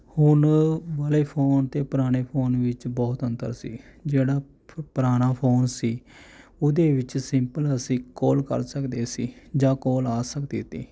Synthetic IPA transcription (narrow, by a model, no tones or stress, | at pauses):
hʊnʋəleːpʰoːnt̪eːpəɾaːɽ̃eːpʰoːnʋɪt͡ʃbɔːt̪ənt̪ə̰ɾsḭːd͡ʒeːɽaː | pəɾaːɽ̃aːpʰoːnsiːʊd̪eːʋɪt͡ʃsɪmpələsĩːkoːlkə̰ɾsəkd̪eːsiːd͡ʒãːkoːlaːsəkd̪iːt̪ːiː